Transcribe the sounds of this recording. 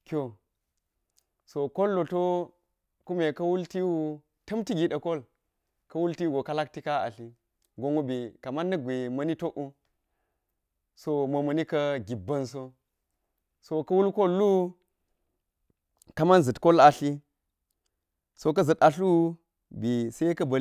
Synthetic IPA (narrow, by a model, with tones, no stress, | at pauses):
kʲo˨ | so˨ko˦lːo˨to˦ | ku˦me˨kɐ˦wu˦lti˦wu˦ | tɐ˦mti˦ɡi˨ɗɐ˨ko˦l | kɐ˦wu˦lti˦ɡo˨ka˦la˦k̚ti˦ka˦a̰˨ɬi˦ | ɡo˨ŋu˦bi˨ka˨ma˦nːɐ˦˨ɡʷe˨mɐ˨˦ni˦to˦ʔu˦ | so˦mɐ˨mɐ˨ni˦kɐ˦ɡi˨bːɐ˦ns̬o˦ | so˨kɐ˦wu˦lko˦lːu˦ | ka˦ma˦nzɨ˨tko˦la˨ɬi˦ | so˦k̬ɐ˦zɨ˨ta˨ɬu˦ | bi˨sa˦i˦kɐ˦bɐ˨